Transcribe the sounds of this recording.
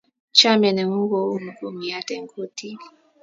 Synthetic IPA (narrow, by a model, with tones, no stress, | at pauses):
t͡ʃa˦mɛ˨nɛ˨ŋu˦ŋ˦ɡo˦u˦mu˨ɡo˨mi˨a˦tɛ˨ŋ˨kʰo˦tʰi˦